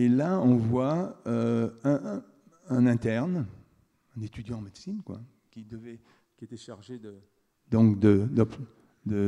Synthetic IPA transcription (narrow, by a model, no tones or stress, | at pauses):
elaɔ̃vwaøɛ̃ | ɛ̃nɛ̃t̪ɛʁn | ɛ̃net̪yd̪jɑ̃ːmed̪sinkwa̰ | kʲid̪əvɛ | iet̪ɛʃaʁʒed̪ə | d̪ɔ̃kd̪əd̪ɔp | d̪ə